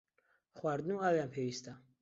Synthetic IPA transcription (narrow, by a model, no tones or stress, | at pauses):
χwaɾd̪nuawɛampʰɛɾist̪a